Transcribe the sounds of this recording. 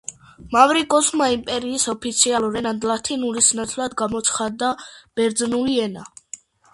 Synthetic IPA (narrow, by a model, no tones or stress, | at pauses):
mavɾikʼɔsmaimpʼɛɾiːsɔpʰit̪sʰialˠuɾɛnand̪lat̪ʰinuɾisnat̪sʰlˠad̪ɡamɔt̪sʰχad̪ːab̥ɛɾd̪znuliɛna